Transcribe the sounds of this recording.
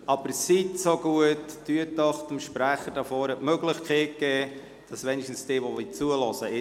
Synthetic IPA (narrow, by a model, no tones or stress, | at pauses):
ɑb̥əɾsitsoɡ̥uətːyətːɔχdəmʃpɾæχəd̥əfɔːɾɛtmøɡlɪχkχeːt̚kɛː | d̥ɑsʋɛniʃtn̩sd̥eːʋɔlit͡suəlɔsəɪ